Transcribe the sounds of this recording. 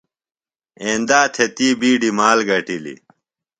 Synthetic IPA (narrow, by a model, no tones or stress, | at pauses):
eːnd̪aːt̪ʰet̪iːbiːɖimaːlɡɐʈilḭ